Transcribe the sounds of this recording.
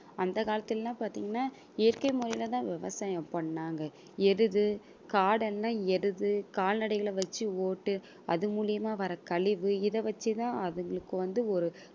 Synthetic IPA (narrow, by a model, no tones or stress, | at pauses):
ɐnd̪ɐkaːlɐt̪ːɪllãːpaːɾt̪iːŋɡɐnːaː | eɾkɐɪmʊɾɐjlɐt̪ãːʋɪʋɐsaːjɐ̃mpɐɳːaːŋɡɐ | ɛɾɯðɯ | kaːɽɛlːãːɛɾɯðɯkaːlnɐɽɐɪɣɐɭɐʋɐt͡ʃːɯoːʈːɯ | ɐðɯmuːlɪjɐmaːʋɐɾɐkɐɭɪʋɯɪðɐʋɐt͡ʃːɯt̪ãːɐðɐŋɡɐɭɯkːɯʋɐnd̪ɯɔɾɯ